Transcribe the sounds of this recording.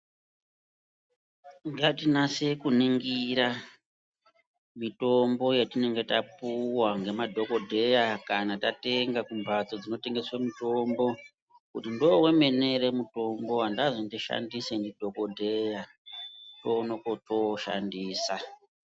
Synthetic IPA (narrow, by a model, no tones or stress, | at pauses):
ŋɡatinase̞kuniŋɡiɾa | mito̞mbo̞jetine̞ŋɡe̞tapuwaŋɡe̞madʱo̞ko̞dʱe̞jakanatate̞ŋɡakumbat͡so̞d͡zino̞te̞ŋɡe̞swemito̞mbo̞ | kutindo̞we̞me̞ne̞ɾemuto̞mbo̞ɦandazondiʃa̰ndisendidʱo̞ko̞dʱe̞ja | to̞nokoto̞ʃa̰ndiːsa